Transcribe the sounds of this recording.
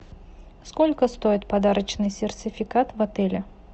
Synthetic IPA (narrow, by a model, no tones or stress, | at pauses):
skolʲkəst̪ojɪt̪̚pɐd̪aɾət͡ɕnɨjsʲɪrt͡sʲɪfʲɪkat̪vɐt̪ɛlʲɪ